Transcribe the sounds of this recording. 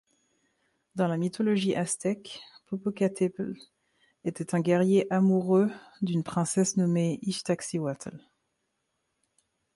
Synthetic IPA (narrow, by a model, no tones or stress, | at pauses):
d̪ɑ̃lamit̪ɔlɔʒiʔast̪ɛkpɔpokat̪ʰɛpl | et̪ɛt̪ɛ̃ɡʲɛʁjeʔamuʁød̪ynpχɛ̃sɛsnɔmeiʃt̪aksiwat̪ʰɛl